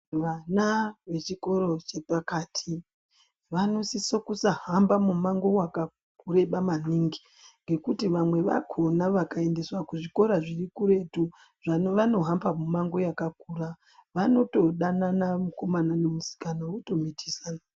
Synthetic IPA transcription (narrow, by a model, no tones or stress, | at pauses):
ʋanaʋe̞t͡ʃiko̞ɾo̞t͡ʃe̞pakaːtʰi | ʋano̞sisokusaɦambamumaŋɡo̞waka | kuɾe̞ɓamaniŋɡi | ŋɡe̞kutiʋamwe̞ʋa̰kʰo̞naʋakae̞nde̞swakuʐiko̞ɾaʐirikuɾe̞tu | ʐaʋano̞ɦambamumaŋɡo̞jakakuɾa | ʋano̞to̞ɗananamuko̞mananemusi̥kanowoto̞mitʰi̥sana